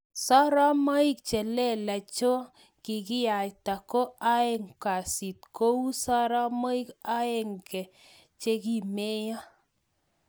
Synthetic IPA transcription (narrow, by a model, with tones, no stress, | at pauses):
sɔ˦ɾɔ˦mɔ˦i˦k̚t͡ʃɛ˨lɛ˦˨la˨t͡ʃo˦ | ki˨ki˦ja˨jta˨ko˦a˦e˦ŋka˨si˨t̚ko˦wu˦sa˦ɾa˦mɔ˦i˦ka˦e˦˨ŋkɛ˨ | t͡ʃe˦ki˨me˦ja˦